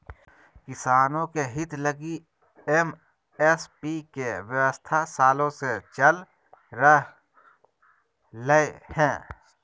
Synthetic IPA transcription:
kɪsaːnõkeɦɪt̪ləɡi | em | espikewjəwəst̪ʰasaːlõset͡ʃəl | ɾəɦ | ləehɛ̃ː

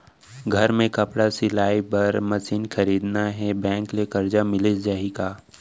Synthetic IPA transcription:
ɡʱɐɾmẽkɐpɽasɪlaːibɐɾmɐsiːnxʰɐɾiːd̪naɦɛbɛ̃ːŋklekɐɾd͡ʒamɪlɪd͡ʒaːɦikaː

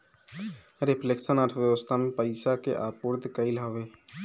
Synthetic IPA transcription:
ɾepʰleksənaːt̪ʰʋjəʋəst̪ʰamẽpəɪsakeʔapuɾd̪kəilɦəʋeː

